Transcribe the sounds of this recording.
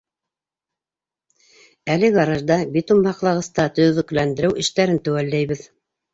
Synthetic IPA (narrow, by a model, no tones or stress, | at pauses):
ælɘɡɑɾɑʒd̪ɑbʲit̪umbɑqlˠɑʁɤ̆st̪ɑt̪ɵ̆jðɵ̆klænd̪ɘ̆ɾɘwʔɘ̆ʃt̪æɾɘnt̪ɘ̆wælːæjβɘð